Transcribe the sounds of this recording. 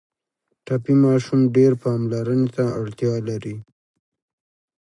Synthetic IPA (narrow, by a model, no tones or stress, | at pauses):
ʈapimɑʃumɖeɾpɑmlaɾənet̪aaɽt̪jɑlaɾi